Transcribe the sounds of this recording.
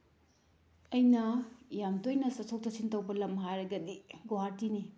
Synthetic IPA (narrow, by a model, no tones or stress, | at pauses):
ɐjnɐjamtojnɐsɐsʰok̚tɐsintɐwbɐlɐmɦajɾɐɡɐdiɡoɦaɾtini